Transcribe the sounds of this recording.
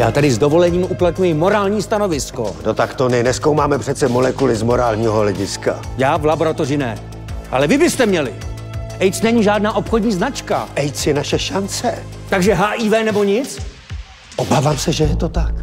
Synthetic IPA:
ja̰ːt̪adɪzdo̞vo̞lɛɲiːmʔuplat̪ɲujɪmo̞ɾaːlɲiːst̪ano̞vɪsko̞̰not̪akt̪onɪnɛskowmaːmɛpr̝̥ɛt̪t͡sɛmolɛkulɪzmoɾaːlɲiːɦo̞ɦlɛɟɪska̰jaːvlabo̞ɾat̪o̞rɪnɛ | ʔalɛvɪbɪst̪ɛmɲɛlɪ̰ | ʔɛjt͡snɛɲiːʒaːdnaːʔo̞pxo̞dɲiːznat͡ʃka̰ʔɛjt͡sjɛnaʃɛʃant͡sɛt̪aɡʒɛɦaːʔivɛːnɛbo̞ɲɪt͡s | ʔobaːvaːmsɛʒɛjɛt̪ot̪ak

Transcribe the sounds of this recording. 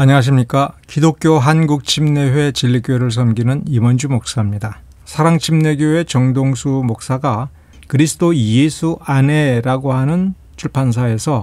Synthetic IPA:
aɲʌŋaɕ̬ʰimɲik͈akidok͈ʰjoɦanɡuk̚t͡ɕʰimne̞ɸwe̞t͡ɕiʎːik͈joɾɯɭs̬ʰʌmɡinɯnimʌnd͡ʑumok̚s͈amɲida | sʰaɾaŋt͡ɕʰimne̞ɡjoe̞t͡ɕʌŋdoŋsʰumok̚s͈aɡa | kɯɾisʰɯ̥dojesʰuane̞ɾaɡoɦanɯn | t͡ɕʰuɭpʰans̬ʰae̞sʰʌ

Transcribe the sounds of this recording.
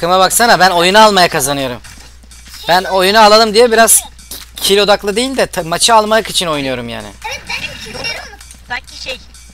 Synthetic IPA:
kɯmaβaksanabæno̞junaalˠmajakʰazanɯjo̞ɾum | b̥æno̞junualˠalˠɯmd̪ijɛbiɾaz̥ | cʰilʲo̞d̪aklˠɯd̪ejilʲd̪ɛt̪ʰamat͡ʃʰaalˠmajɯkit͡ʃʰino̞jnujo̞ɾumja̰ːnɪ̰

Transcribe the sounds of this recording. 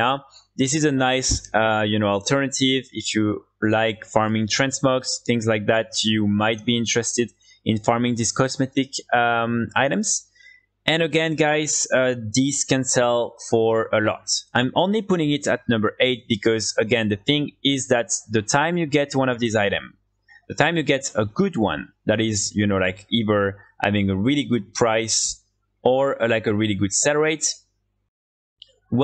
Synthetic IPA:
aðɪsɨzənaɪsʌjɨnoʊɔlˠtʰɜ˞nɨtivɪfju | laɪkfɑɹmɪ̃ŋtʰɹ̥ɛ̃nsmɔksθɪ̃ŋzlajk̚ðætjumaɪt̚b̥iɪ̃ntɹ̥ɛstɨd | ɪ̃nfɑɹmɪ̃ŋdiskɔsmɛtɪkʌmaɪɾɨ̃mz̥ | ʔɨ̃nəɡɛ̃nɡaɪz̥ʌdiskɛ̃nsɛlˠfə˞əlɔ̰tãɪ̃mʔõnlipʊɾɪ̃ŋɪtɨ̰t̚nʌ̃mbə˞ʔeɪt̚b̥ikʌzəɡɛ̃nðɨθɪ̃ŋɪzðæt̪ðətʰãɪ̃mjɨɡɛtwʌ̃ñʌvðizaɪɾɨ̰̃m | ðətʰãɪ̃mjɨɡɛtəɡʊd̚wʌ̰̃n | ðæɾɪzjɨnolaɪkiðə˞hæ̰vɪ̃ŋəɹilˠiɡud̚pʰɹ̥aɪs | ʔə˞əlaɪkɨɹilˠiɡud̥sɛlə˞eɪt | w

